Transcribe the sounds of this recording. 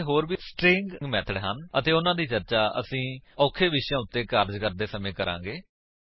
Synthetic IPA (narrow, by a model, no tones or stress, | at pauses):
ɦoːɾbiːsʈɾɪ̃ŋɡɡmɛːt̪ʰəɽɦənət̪eːʊnãːd̪iːt͡ʃəɾt͡ʃaːə̰sĩːɔːkʰeːʋɪʃjãːʊt̪ːeːkəɾd͡ʒkəɾd̪eːsəmẽːkəɾã̰ːɡeː